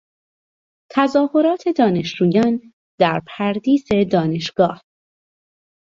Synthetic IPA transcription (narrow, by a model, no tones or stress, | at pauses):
t̪ʰæzɒːho̞ɾɒːt̪ʰe̞d̪ɒːne̞ʃd͡ʒuːjɒːn | d̪̥æɾpʰæɾd̪iːze̞d̪ɒːne̞ʃɡ̥ɒːh